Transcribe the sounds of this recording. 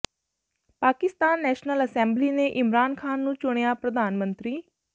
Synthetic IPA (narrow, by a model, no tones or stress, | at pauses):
paːkɪst̪aːnːɛːʃnələsɛ̃ːmbliːneːʔɪmɾaːnkʰaːnːũːt͡ʃʊɽ̃ejaːpɾəd̪aːnmə̃nt̪ɾiː